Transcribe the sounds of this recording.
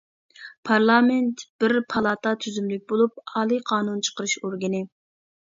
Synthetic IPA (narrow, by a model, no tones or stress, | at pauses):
pʰɑɾlˠɑmɛnt̪b̥ɪɾpʰɑlˠɑːt̪ʰɑt̪ʰyzymlyk̚ʲbolˠup̚ɑːlˠɨqʰɑːnunt͡ʃʰə̥qəɾɨʃoɾɡʲɪnɪ